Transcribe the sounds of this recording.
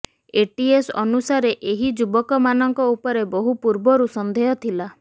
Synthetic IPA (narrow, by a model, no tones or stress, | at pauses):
eʈiesɔnusaɾeʔeɦid͡ʒubɔkɔmanɔŋkɔupɔɾebɔɦupuɾbɔɾusɔnd̪ʱejɔt̪ʰila